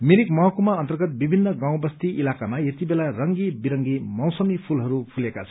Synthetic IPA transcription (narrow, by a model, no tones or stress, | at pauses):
miɾikmʌɦʌkumaʌnt̪ʌrɡʌt̪̚bibʱinːʌɡaw̃bʌst̪iʔilakamajet̪ibelarʌŋɡibiɾʌŋɡimʌwsʌmipʰulɦʌɾupʰulekat͡sʰʌ